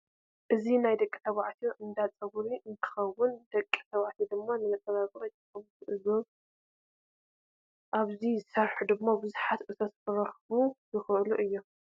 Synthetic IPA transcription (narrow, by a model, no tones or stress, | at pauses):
ʔɨzinajd̪ɐkʼi̥t̪ʰɐβʕt̪ʰoʔɨnd̪at͡sʼɐɡɾiʔɨnt̪ʰɨ̥xɐwːʊnd̪ɐkʼːi̥t̪ʰɐβaʕt̪ʰid̪ɨmːanɨmɐt̪ʼːɐβakʼɾɐt̪ɨxɐβt̪ʔɨzo | ʔaβzizɨsɐɾħud̪ɨmːabɨzuħat̪ʔɨt̪ʰɐt̪ɨɾɐxβuzɨxɨʔluʔɨjːo̞